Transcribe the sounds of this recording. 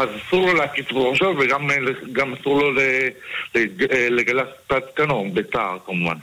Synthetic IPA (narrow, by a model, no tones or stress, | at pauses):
azasuʁloleakisboʁʃoveɡamleɡamasuʁloleleleɡalaspat̪kanobeta̰ʁkamuva̰n